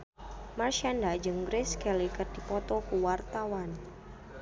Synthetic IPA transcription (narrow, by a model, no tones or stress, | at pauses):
marʃandad͡ʒəŋɡɾɪskɛlikərdipɔt̪ɔkuwart̪awan